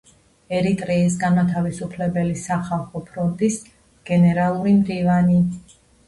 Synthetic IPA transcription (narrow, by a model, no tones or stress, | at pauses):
ɛɾit̪ʼɾɛːs̬ɡanmat̪ʰavisupʰlɛbɛlisaχalˠχɔpʰɾɔnt̪ʼis | ɡ̥ɛnɛɾalˠuɾimdɾivani